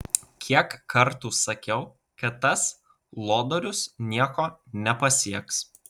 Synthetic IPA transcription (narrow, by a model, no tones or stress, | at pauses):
kʲʰiɛkːɐɾt̪uːsɐkʲɛʊ | kɐt̪ːɐs | lˠoːd̪oːɾʲʊsnʲiɛkoːnʲɛpɐsʲiɛks